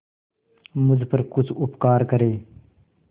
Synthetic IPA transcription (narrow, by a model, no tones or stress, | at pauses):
muzpɐɾkut͡sʰupkaːɾkɐɾeː